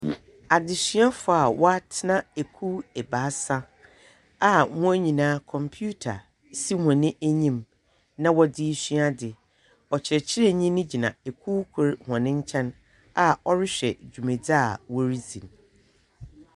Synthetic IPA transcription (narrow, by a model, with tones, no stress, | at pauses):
a˨dɪ˨ɕi˦a˦fʊ˨a˨wɔ˦a˦tʰɪ˦nã˦e˨kʰuː˦ɛ˨baː˨˦sa˦ | a˨mʊ̃˦æ˦ɲĩ˨nãː˦kʰɔ̃˨mpʰu˦tʰa˨ | si˦mɔ̃˨nːɪ̃˦ʔæ˦ɲĩ˦˨m | nã˦wɔ˦dɪ˦ɕi˦a˦dɪ˨ | ɔ˨t͡ɕʰɪ˨ɾɛ˨t͡ɕʰɪ˦ɾɛ˦˨ɲĩ˦nɪ̃˦d͡ʑi˨nã̰˨e˨kʰu˦kʰʊ˦ɾhɔ̃˨nɪ̃˦ɲ̩˦t͡ɕʰɛ̃˦n | a˨ɔ˦ɾɪ˦ɕᶣɛ̰˨d͡ʑᶣu˨mẽ˨d͡za˦˨wɔ˦ɾi˦zĩ˨n